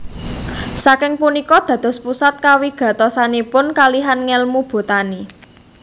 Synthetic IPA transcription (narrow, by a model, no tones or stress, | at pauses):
sakɪŋpunikɔd̪̥ä̤d̪̥ɔ̤spusat̪̚kawiɡ̥ä̤t̪ɔsanipʊnkaliɦanŋɛlmub̥o̤t̪ani